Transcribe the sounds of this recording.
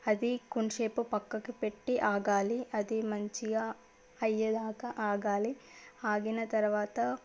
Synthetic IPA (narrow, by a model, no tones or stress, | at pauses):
ɐd̪ikuɳʃeːpupɐkːɐkːepeʈːiʔaːɡaːliɐd̪imɐɲt͡ʃijɐ | ɐjːɐd̪aːkɐʔaːɡaːlihaːɡinɐt̪ɐɾɐʋaːt̪ɐ